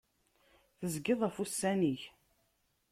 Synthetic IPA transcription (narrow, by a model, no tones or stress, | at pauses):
θəzɡɪðˤæfusːæniç